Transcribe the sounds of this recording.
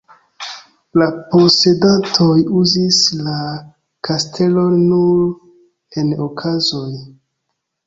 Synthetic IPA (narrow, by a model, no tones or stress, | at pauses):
lapose̞dantʰojuzisla | kʰastʰe̞lo̞nːuɾ | e̞nokʰazo̞j